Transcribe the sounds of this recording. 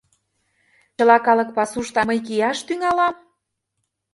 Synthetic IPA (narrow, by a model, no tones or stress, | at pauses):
t͡ɕə̆lɑkɑlɤ̆k̚pɑsuʃt̪ɑmɤjk̬ijɑʃt̪yŋɑlɑm